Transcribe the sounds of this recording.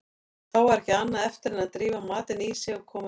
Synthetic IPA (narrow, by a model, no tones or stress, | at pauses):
θawaɾɛhcɪanːaðɛft̪ɪɾɛnaðt̪ɾiːvamaːt̪ɪnisjɛɣɔkʰɔːm